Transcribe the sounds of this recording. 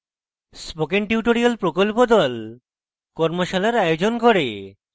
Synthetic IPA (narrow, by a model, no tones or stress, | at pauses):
spokeɳʈuʈoɾialpɾokolpod̪ɔl | kɔɾmoʃalaɾajod͡ʑonkoɾe